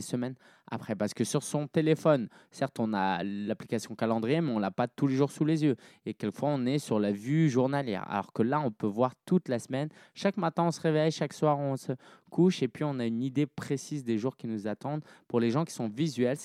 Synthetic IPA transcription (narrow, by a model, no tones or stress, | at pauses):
səmɛn | a̰pχɛpaʁsə̥kəsyʁsɔ̃t̪elefɔnsɛʁt̪ɔ̃na̰laplikasjɔ̃kalɑ̃d̪ʁijemɛɔ̃lapat̪uleʒuʁsulezjøekʲɛlkəfwaɔ̃nɛsyʁlavyʒuʁnaljɛ̰ʁa̰lɔ̰ʁkəlaɔ̃pøvwaʁt̪ut̪lasmɛn | ʃakmat̪ɛ̃ɔ̃səʁevɛjʃakswaʁɔ̃səkuʃepɥiɔ̃naynid̪epχesizd̪eʒuʁkʲinuzat̪ɑ̃d̪puʁleʒɑ̃kʲi̥sɔ̃vizɥɛl